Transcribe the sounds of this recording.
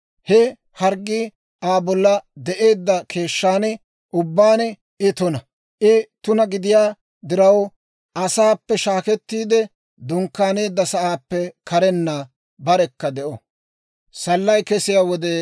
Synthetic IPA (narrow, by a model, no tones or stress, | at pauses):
hɛ | hɐɾɡːɪ | aːbɔlːɐd̪ɛʔe̞ːd̪ːɐkʰe̞ːʃːaːnɛ | ʔʊbːaːnɛ | ɪt̪ʊnɐ | ʔɪt̪ʊnɐɡɪd̪ɪjaː | d̪ɪɾɐw | ʔɐsaːpːɛʃaːkɛt̪ːiːd̪ɛ | d̪ʊŋkːaːne̞ːd̪ːɐsɐʔaːpːɛkʰɐɾɛnːa | bɐɾɛkːɐd̪ɛʔɔ | sɐlːɐjkɛsɪjaːwɔd̪e